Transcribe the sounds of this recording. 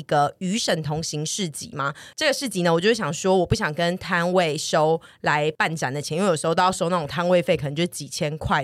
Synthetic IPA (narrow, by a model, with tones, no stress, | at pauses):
ɡə˨y˧˥ʂə˨˩nt̪ʰʊ˧˥ŋɕi˧˥ŋʂɻ̩˥˩t͡ɕḭ˨˦ma˦ʈ͡ʂɤ˥˩ɡə˩ʂɻ̩˥˩t͡ɕi˧˥nə˧˨wɔ˨t͡ɕjo˥˩ʂe˥˩ɕɑ˨˩ŋʂwɔ˥wɔ˨˩pu˥˩ɕjɑ˨˩ŋkə˦˥nt̪ʰa˦˥nwe˥˨ɪʂo˦ʊ | la˧˦ɪpa˥˩nt͡ɕa˨˩nd̪ə˩t͡ɕʰnĩ˥˩jo˨˩˧ʂo˥ʊna˥˩o˨˩ŋt̪ʰa˥nwe˥˧ɪfe˥ɪk̪ʰə˧ŋt͡ɕo˥˧˩ʂt͡ɕi˨˩t͡ɕʰjɛ˦nkʰwa˥˩ɪ